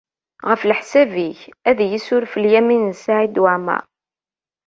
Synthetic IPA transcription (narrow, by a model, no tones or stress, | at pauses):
ʁəflħsæviçæðjəsʊɾfəljæminsaʕid̪waʕmæ̰